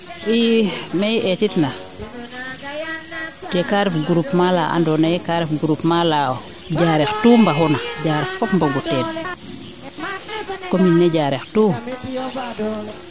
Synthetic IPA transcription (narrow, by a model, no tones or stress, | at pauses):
ʔimɛjʔɛtitna | tɛkaɾɛfɡuɾupmala̰ʔa̰ndɔnajɛkaɾɛfɡuɾupmalao | ɟaːɾɛxtuːmbaɦɔnaɟaɾɛffɔpmboɡutɛd | kominːeɟaɾɛxtuː